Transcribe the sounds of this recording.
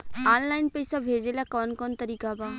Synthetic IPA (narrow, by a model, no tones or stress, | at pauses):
aːnlaːɪnpəisabʱeːd͡ʒelakɔːnkɔːnt̪əɾiːkabaː